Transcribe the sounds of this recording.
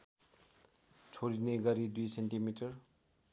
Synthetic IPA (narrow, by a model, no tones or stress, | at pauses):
t͡sʰoɾineɡʌɾid̪ujsenʈimiʈəɾ